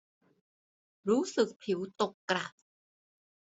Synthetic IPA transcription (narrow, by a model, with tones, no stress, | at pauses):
ɾuː˦˥sɯ˨˩k̚pʰi˩˦wt̪o˨˩kːɾa˨˩t̚